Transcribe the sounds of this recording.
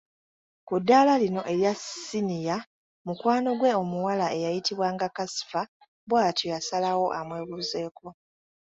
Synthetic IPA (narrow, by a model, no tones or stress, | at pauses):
kudːalalino̞ʔe̞ɾjasinija | mukwaːno̞ɡwe̞o̞muwalaejajitiβwaːŋɡakasi̥fa | bwaːtʰojasalawo̞ʔamwe̞ːβuːze̞ːko̞